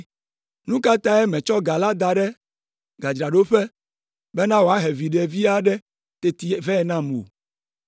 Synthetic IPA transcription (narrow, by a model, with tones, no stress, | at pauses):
nũ˦ka˦t̪ã˦ɛ˦mɛ̃˨t͡ʃɔ˦ɡa˨la˦d̪a˨ɖɛ˦ | ɡa˨d͡ʒɾa˨ɖo˦ɸɛ˦ | bɛ˦nã˦wo˨a˦ɦe˨vi˨ɖɛ˨vi˦a˦ɖɛ˦ | t̪e˨t̪i˨vɛ˦ɛ˨nã˦mũ˨o˨